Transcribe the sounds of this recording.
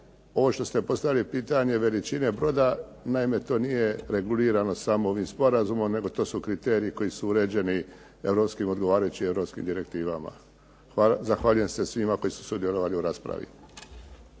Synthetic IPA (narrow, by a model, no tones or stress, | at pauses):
o̞ʋo̞ʃt̪o̞st̪e̞po̞st̪aʋjialipiːt̪aɲe̞ʋe̞lit͡ʃine̞bɾo̞ːd̪a | naime̞t̪o̞ːnije̞ɾe̞ɡuliːɾano̞samoo̞ʋimspo̞ɾazumo̞mne̞ɡo̞t̪o̞ːsukɾit̪e̞ːɾiiko̞isuuɾe̞ːd͡ʑe̞ni | e̞ʋɾo̞pskimo̞d̪ɡo̞ʋaːɾajut͡ɕievɾo̞pskḭmd̪iɾe̞kt̪iːʋama̰ | azaxʋaʎuje̞mse̞sʋimako̞jisu̥sud̪je̞lo̞ʋaliuɾaːspɾa̰ʋḭ